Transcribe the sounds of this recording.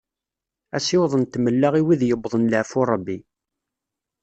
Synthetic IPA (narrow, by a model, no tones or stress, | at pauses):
æ̰sɪwðˤənt̪ːməlːaʁiwiðjəbðˤənləʕfuɾˤəbːi